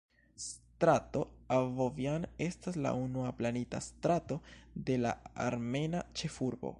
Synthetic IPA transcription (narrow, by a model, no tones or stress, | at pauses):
stɾato̞avovjane̞stasla̰unuaplanita̰stɾato̞de̞la̰a̰ɾme̞nat͡ʃe̞fuɾbo̞̰